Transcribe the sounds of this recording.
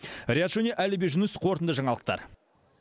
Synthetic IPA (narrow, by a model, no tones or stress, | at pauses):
rʲeat̪ʒ̥oneʔælɪbeʒʊnəsqʰo̞ɾt̪ənd̪əʒɑɴɑlˠəq̚t̪ɑ̰ɾ